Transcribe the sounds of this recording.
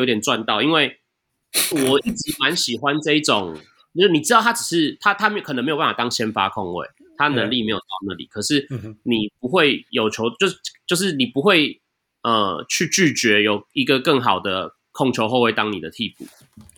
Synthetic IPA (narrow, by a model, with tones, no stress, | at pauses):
t̪jɛ˨nt͡swa˥˧nt̪ɑ˥˩ʊi˦nwe˥˩ɪ | wɔ˨˩i˥˩ʈ͡ʂɻ̩˧˦ma˧˦nɕi˨˩xwa˦nʈ͡ʂɤ˥˧i˥˩ʈ͡ʂo˨˩ŋ˥ | ni˨˩ʈ͡ʂɻ̩˥t̪ɑ˥˩ʊt̪ʰa˥ʈ͡ʂɻ̩˨˩ʂɻ̩˥˩˨t̪ʰa˥t̪ʰa˥m˥kʰə˨˩nə˦ŋme˧˥jo˨pa˥˩fa˨˩t̪ɑ˥ŋɕjɛ˥nfa̰˦kʰɔ˥˧ŋwḛ˥˩ɪ | t̪ʰa˦˥ə˨nə˧ŋli˥˨me˧˥ɪjo˨˩t̪ɑ˥˧ʊna̰˥˨lḭ˨˩kʰɤ˨˩ʂɻ̩˥˩ni˨˩pu˨˦xwe˥˩ɪjo˨˩ʊt͡ɕʰjo˧˦ʊt͡ɕjo˥˧ʊt͡ɕjo˥˧ʊʂ̬ɻ̩˥˩ni˨˩pu˨˦xwe˥˧ɪ | ə˧t͡ɕʰy˥˧t͡ɕy˥˩t͡ɕɥɛ˧˥jo˨˩ʊi˧˦ɡə˨kə˥˩ŋxɑ˨˩ʊd̪ə˦ | kʰɔ˥˩ŋt͡ɕʰjo˧ʊxo˥˧ʊwe˥˩ɪt̪ɑ˥ŋnḭ˨˩d̪ə˦t̪ʰi˥˧pʰṵ˨˩